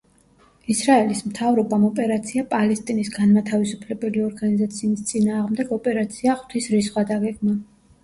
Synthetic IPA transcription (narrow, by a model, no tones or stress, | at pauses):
isɾaɛlismt̪ʰavɾɔbamɔpʼɛɾat̪sʰiapʼalɛst̪ʼinisɡanmat̪ʰavisupʰlɛbɛliɔɾɡanizat̪sʰiːst̪sʼinaːʁmd̪ɛɡɔpʼɛɾat̪sʰiaχwt̪ʰisɾisχwad̪aɡɛɡma